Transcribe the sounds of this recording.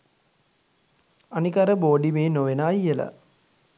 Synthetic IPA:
anikaɾəboːɖimeːnoʋenaːjːəla̰

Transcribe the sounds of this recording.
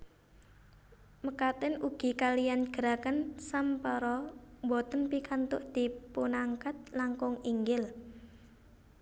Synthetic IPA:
məkat̪ɪnuɡ̥i̤kalijanɡ̥əɾakənsampəɾɔmbɔt̪ənpikant̪ʊʔd̪̥i̤punaŋkat̪̚laŋkʊŋiŋɡɪl

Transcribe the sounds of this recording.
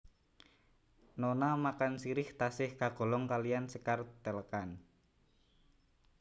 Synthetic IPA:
nonamakansiɾɪht̪asɪhkaɡ̥o̤lɔŋkaliansəkart̪ɛləkan

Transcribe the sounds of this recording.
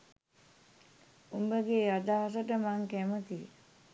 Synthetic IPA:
umbəɡead̪aɦasəʈəmaŋkæmət̪ḭ

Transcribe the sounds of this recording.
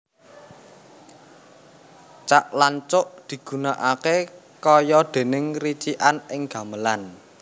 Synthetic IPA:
t͡ʃaʔlaɲt͡ʃʊʔd̪̥i̤ɡ̥ṳnaʔake | kɔjɔd̪̥e̤nɪŋrit͡ʃiʔanɪŋɡ̥ä̤məlan

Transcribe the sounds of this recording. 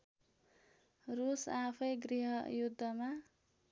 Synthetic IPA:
rusapʰʌjɡriɦʌjud̪ʱːʌma

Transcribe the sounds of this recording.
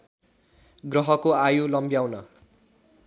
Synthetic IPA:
ɡrʌɦʌkoajolʌmbjawnʌ

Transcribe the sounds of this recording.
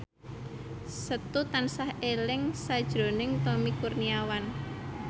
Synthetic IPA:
sət̪ut̪ansahʔelɪŋsad̥ʒ̥ɾo̤nɪŋt̪omikurniawan

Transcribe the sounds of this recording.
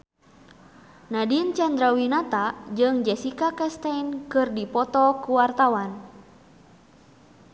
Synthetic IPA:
nadint͡ʃand̪ɾawinat̪ad͡ʒɨŋd͡ʒɛsikakɛst̪ankɨrdipɔt̪ɔkuwart̪awan

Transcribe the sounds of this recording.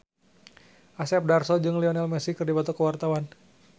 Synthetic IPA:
ʔasɛp̚darsɔd͡ʒɨŋlɛɔnɛlmɛsikərdibat̪ɔkəwart̪awan

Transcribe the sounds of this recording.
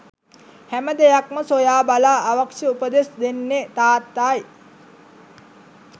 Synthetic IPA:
hæməd̪ejakməsojaːbalaːʋakʂjəupəd̪esd̪enːet̪aːt̪ːaːj

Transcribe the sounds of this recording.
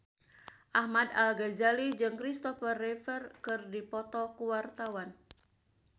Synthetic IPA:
ʔahmad̪alɡazalid͡ʒɨŋkɾist̪ɔfərːɛfɛrkɨrdipɔt̪ɔkuwart̪awan

